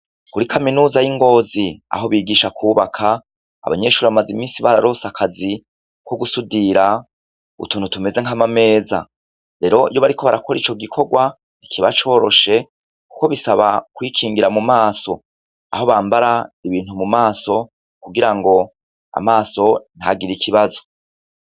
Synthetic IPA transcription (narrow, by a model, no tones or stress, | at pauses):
kuɾikaminuːzajiŋɡo̞ːzia̰ɦo̞βiːɡiːʃakʰuːβakʰa | a̰βa̰ɲe̞ːʃuːɾiβamazimiːnsiβaɾaɾo̞sakʰazi | ko̞ɡusudiɾa | ṵtuːnutume̞ze̞ŋ̥amame̞ːza̰ | ɾe̞ɾo̞ḭjoβaɾikʰo̞βaɾako̞ɾiːt͡ʃo̞ɡikʰo̞ɡwa | ikʰiβat͡ʃo̞ːɾo̞ʃe̞ | ku̥ko̞βisaβakwikʰiːŋɡiɾamumaːso̞ | a̰ɦo̞βaːmbaɾaiβiːn̥humumaːso̞ | kuɡiɾaŋɡo̞ | a̰maːso̞n̥ha̰ɡiɾikʰiβazo̞